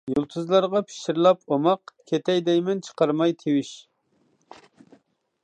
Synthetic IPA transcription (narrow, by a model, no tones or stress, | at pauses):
julˠt̪ʰɨzlˠɑɾʁɑpʰi̥ʃiɾlˠɑpomɑqkʲʰet̪ʰɛjd̪ɛjmɪnt͡ʃʰə̥qʰɑɾmɑjt̪ʰewiʃ